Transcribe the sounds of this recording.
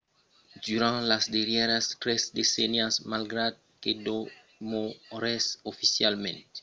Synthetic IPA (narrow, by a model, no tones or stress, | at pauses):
d̪yɾãlasd̪eɾjɛɾast̪ɾezd̪esɛnjasmalɡɾad̪̚ked̪o | moɾɛsofisjalmḛ̃nt̪